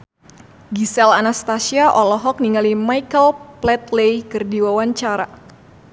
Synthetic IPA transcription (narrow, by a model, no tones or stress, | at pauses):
ɡisɛlanast̪asiaʔɔlɔɦɔk̚niŋalimajkəlplɛt̪lejkərdiwawaɲt͡ʃaɾa